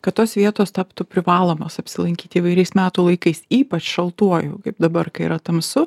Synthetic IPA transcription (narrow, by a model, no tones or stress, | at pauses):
kɐtt̪oːsʋʲiɛt̪oːst̪ɑpt̪upʲɾʲɪʋɑːlˠoːmoːsɐpʲsʲɪlˠɐŋʲkʲiːt̪ʲiːʋɐɪɾʲɛɪsmʲæːt̪uːlˠɐɪkɐɪsiːpɐt͡ʃʃɐlˠt̪uɔjoːkɐɪp̚d̪ɐbɐrkɐɪḭɾɐt̪ɐmsʊ